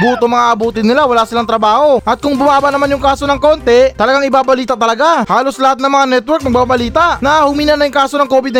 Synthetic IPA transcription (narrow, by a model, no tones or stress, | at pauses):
ɡuːt̪omɐŋaʔɐbuːt̪ɪnːɪlawɐlaːsɪlaŋt̪ɾɐbaːho̞ʔɐt̪̚kʊŋbʊmaːbɐnɐmanjʊŋkaːso̞nɐŋko̞ːnt̪ɛt̪ɐlɐɡaŋɪbaːbɐliːt̪ɐt̪ɐlɐɡahaːloslɐhat̪̚nɐŋmɐŋanɛt̪wɛɾk̚nmɐɡ̚babɐliːt̪aʔnɐhʊmiːnɐnɐjʊŋkaːso̞nɐŋko̞ːbɪd̪̚n